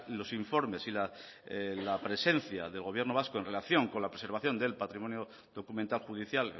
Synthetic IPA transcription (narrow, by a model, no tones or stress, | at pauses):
lo̞siɱfo̞ɾme̞sila | lapɾe̞se̞n̟θja̰ðe̞lɣo̞βje̞ɾno̞β̞askoe̞nre̞laθjo̞ŋko̞nlapɾese̞ɾβaθjo̞nd̪e̞lpat̪ɾimõ̞njo | ðo̞kument̪alxuðiθjal